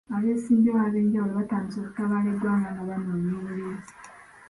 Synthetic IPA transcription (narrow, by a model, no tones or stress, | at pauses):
aβe̞ːsiːmbeaβe̞ːɲɟawuloβataːɲiso̞ːku̥taβaːledwaːŋɡanaβanemiːβuɾeːzi